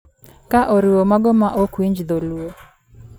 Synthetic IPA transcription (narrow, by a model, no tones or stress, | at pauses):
kaʔoɾɪwomaɡɔmaʔokwiɲd͡ʒd̪oluo